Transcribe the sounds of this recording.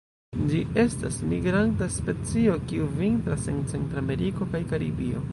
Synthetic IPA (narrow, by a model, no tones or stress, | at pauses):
d͡ʒie̞stasmiɡɾantaspe̞t͡sio̞kiuvintɾase̞nt͡se̞ntɾame̞ɾiko̞kajkaɾḭbio̞̰